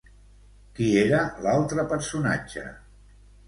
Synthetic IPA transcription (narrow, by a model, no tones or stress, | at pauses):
kieɾəlalˠt̪ɾəpəɾsuna̰d͡ʒə̰